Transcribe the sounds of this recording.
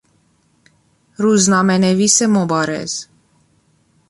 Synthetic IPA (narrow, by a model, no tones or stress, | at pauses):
ɾuznamɛnɛvisɛmɔbɑɾɛ̰z